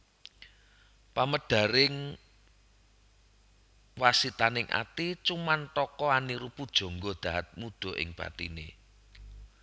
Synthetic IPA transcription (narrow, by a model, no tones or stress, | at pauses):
paməɖ̥ä̤ɾɪŋ | wasit̪anɪŋʔa̰t̪it͡ʃumant̪ɔkɔaniɾupud̥ʒ̥ɔ̤ŋɡɔd̪̥a̤ɦat̪̚mud̪̥ɔ̤ʔɪ̰ŋb̥ä̰t̪inḛ